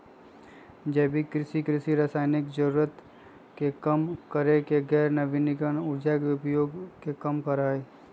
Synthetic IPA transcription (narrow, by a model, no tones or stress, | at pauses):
d͡ʒɛːbʱikɾɪʃikɾɪʃiɾaːsaːɪnɪkd͡ʒəɾuːɾət̪ | kekɐmkəɾekeɡɛːɾnɐʋɪnɪkənʊɾd͡ʒakeʊpjoːɡkekɐmkɐɾaɦeː